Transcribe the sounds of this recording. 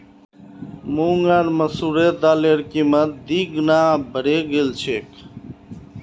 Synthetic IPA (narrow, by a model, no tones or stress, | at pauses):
muːŋɡaɾməsuːɾeːt̪aːleːɾkiːmət̪̚d̪iːɡnaːbʱəɽeːɡelt͡ʃʰeːk